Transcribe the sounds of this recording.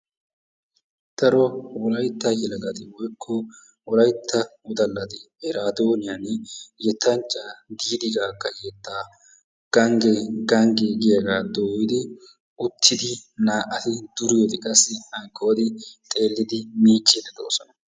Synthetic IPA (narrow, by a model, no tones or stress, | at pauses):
t̪ɐɾɔwɔlɐjt̪ːɐjɪlɐɡɐt̪ɪwɔjkʰːɔ | wɔlɐjt̪ʰːɐwʊd̪ɐlːɐt̪ɪ | ɛɾaːd̪oːnɪjanjɛt̪ʰːɐnt͡ʃʼːad̪iːd̪ɪɡaːkːɐjɛt̪ːaː | ɡ̥ɐŋɡɛɡɐŋɡeɡɪjɐɡaːd̪oːwɪd̪ɪ | ʊt̪ʰːɪd̪ɪnaːʔɐt̪ɪd̪̥ʊɾɪjod̪ɪkʼɐsːɪɐjkʰːoːd̪ɪt̪ʼe̞ːlːɪd̪ɪmiːt͡ʃʼːed̪ɛd̪oːsɔnɐ